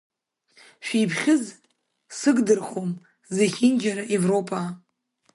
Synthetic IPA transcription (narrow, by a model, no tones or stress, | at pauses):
ʃᶣijpʰχʲɪz | sɨɡdɨrχom | zeχʲind͡ʒaɾaʔe̞vro̞pʰa